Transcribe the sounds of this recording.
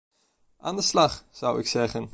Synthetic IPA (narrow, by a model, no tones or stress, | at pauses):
ʔaːndəslɑχz̥ʌwɪ̰ksɛχən